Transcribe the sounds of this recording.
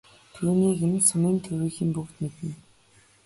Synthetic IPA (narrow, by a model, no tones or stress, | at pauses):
t̪ʰuːniːɡensamiːnt̪ʰɵwiːxĭmpukt̪met̪ɘ̆n